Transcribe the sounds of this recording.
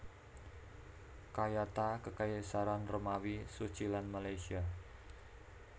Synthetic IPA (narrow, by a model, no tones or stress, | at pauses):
kajat̪akəkajesaɾanrəmawisu̥t͡ʃilanmalajsia